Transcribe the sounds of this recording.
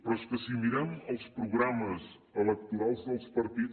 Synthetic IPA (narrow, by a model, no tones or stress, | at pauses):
pɾɔskəsimiɾanəlˠspɾuɣɾaməz | ələk̚t̪uɾalˠzðəlˠspəɾt̪i